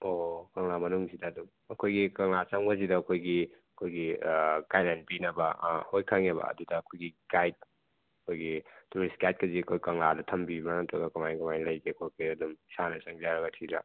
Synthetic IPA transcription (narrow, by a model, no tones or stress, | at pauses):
okɐŋlamɐnuŋsidɐːdum | ɐkʰojɡikɐŋlat͡ʃɐŋbɐzidɐːkʰojɡiɐkʰojɡikajtanpinɐbɐhojkʰaŋebɐ̰ɐ̰dudɐːkʰojɡikajt̚ | ɐkʰojɡituɾiskajt̚kɐziɐkʰojkɐŋladɐtʰɐmbimanatʰoɡɐkamajɡamajlɐjɡekʰojkejɐdumsanɐsɐŋzaɾɐɡɐtʰiɾa̰